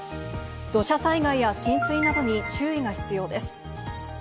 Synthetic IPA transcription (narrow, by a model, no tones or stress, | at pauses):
d̪̥o̞ɕasaiɡaijaɕĩɰ̃sɨinad̪o̞ɲ̟it͡ɕɨːiɡaçi̥t͡sɨjo̞ːd̪e̞sɨ̥